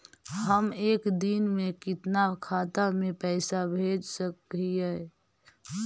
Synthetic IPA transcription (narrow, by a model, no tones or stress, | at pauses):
ɦəmeːkd̪inmẽkɪt̪nakʰaːt̪əɾmẽpɛɪsabʱed͡ʒsəkiɦɛː